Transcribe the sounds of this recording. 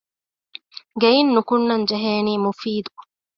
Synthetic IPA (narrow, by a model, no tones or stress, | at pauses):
ɡeinːukʊnːɐnd͡ʒɛɦeːniːmufiːd̪u